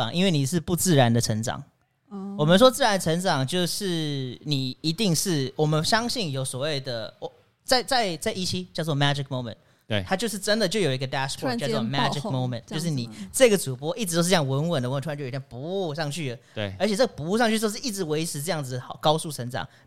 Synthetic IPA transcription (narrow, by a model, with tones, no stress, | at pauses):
ɑ˨˩ŋʔi˥nwe˥˩ni˨˩ʂɻ̩˥˧pu˥˧t͡sɹ̩˥˩ɻa˧˥nd̪ə˨ʈ͡ʂʰə˧˥ŋʈ͡ʂɑ̰˨˩ŋ | wɔ˨˩mə˦nʂ̬wɔ˥t͡sɹ̩˥˩ɻa˦nd̪ə˧ʈ͡ʂʰə˧˥ŋʈ͡ʂɑ˨˩ŋt͡ɕjo˥˧ʊʂɻ̩˥˩ni˨˩i˧˥t̪i˥˧ŋʂɻ̩˥˩wɔ˨˩mə˦nɕjɑ˥ŋɕi˥˩njo˧˥ʊswɔ˨˩we˥˩ɪd̪ə˩ɔ˨˦ | t͡sa˥˩ɪt͡sa˥˧ɪt͡sa˥˩ɪʔi˥t͡ɕʰi˥t͡ɕjɑ˥˧ʊt͡swɔ˥˩mæ˥d͡ʒɪ˨k̚mo˥ʊmə̰˨n˩ | t̪ʰa˥t͡ɕjo˥˧ʊʂ̬̩˥˩ʈ͡ʂə˦˥nd̪ə˨t͡ɕjo˥˩ʊjo˨˩ʊi˧˥ɡə˧t̪æ˥ʂkʰɔ˥jɔ˥˧mæ˥ɪ˨˥mo˧˥ʊmə̰˨nt͡ɕjo˥ʊʂɻ̩˥˩ni˨˩t͡sɤ˥˧ɡə˩t͡su˨˩pwɔ˥ʔi˥˩ʈ͡ʂɻ̩˧to˥˧ʂ̬̩˥˧˥jɑ˥˩˧wə˧˥nwə˨˩ndə˨wʰpu˧˦u˥˧ʂɑ˥˧ŋt͡ɕʰy˥˩ə˩˧ə˧˥t͡ɕʰjɛ˨˩t͡sɤ˥˩ə˩pu˧˥u˥˧ʂɑ˥˧ŋt͡ɕʰy˥˧jo˥˧ʊʂɻ̩˥˧i˥˩ʈ͡ʂɻ̩˧˩we˧˥ɪʈ͡ʂʰɻ̩˧˥ʈ͡ʂɤ˥˧jɑ˥˩ŋd͡zɨ˨˩d̪ə˩xɑ˨˩kɑ˥ʊsu˥˩ʈ͡ʂʰə˧˥ŋʈ͡ʂɑ̰˨˩ŋ